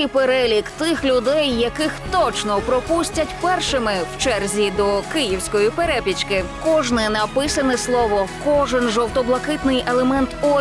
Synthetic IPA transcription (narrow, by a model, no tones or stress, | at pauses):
jpeɾɛlʲikt̪ɪxlʲʊd̪ɛjːɐkɪxt̪ɔt͡ʃnɔpɾɔpusʲtʲɐtʲpɛrʃɪmɪw̥t͡ʃɛrzʲid̪ɔkɪjiwsʲkɔjipeɾɛpʲit͡ʃkɪkɔʒnɪnɐpɪsɐnɛslˠɔʋɔkɔʒɪnʒɔwt̪ɔblˠɐkɪt̪nɪjelˠemɛnt̪ɔ